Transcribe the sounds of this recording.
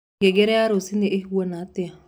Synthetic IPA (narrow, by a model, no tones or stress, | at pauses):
ɡeɡeɾeaɾosineʔeɦwenaatɪa